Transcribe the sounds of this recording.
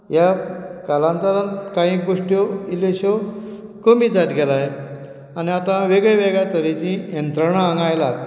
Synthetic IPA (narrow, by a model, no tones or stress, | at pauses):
jakalant̪əɾankãɦĩɡoʂʈjoileɕokomiːd͡zat̪ɡʱelaje | aniat̪ãʋeɡɭeʋeɡɭjat̪əɾit͡ɕĩjənt̪ɾəɳ̃ãəŋɡajlad̪